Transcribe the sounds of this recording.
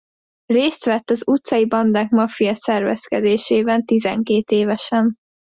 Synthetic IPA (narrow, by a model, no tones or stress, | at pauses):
reːst̪ʋɛt̪ːɒzut̪sɒjibɒnd̪aːkmɒfijɒsɛrvɛ̰skɛ̰d̪eːʃeːbɛnt̪izɛ̰ŋkeːt̪eːvɛʃɛn